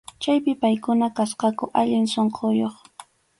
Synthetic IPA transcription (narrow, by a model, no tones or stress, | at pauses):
t͡ʃajpɪpajkʊnakasqɑkʊʔaʎɪnsoɴqʰojoχ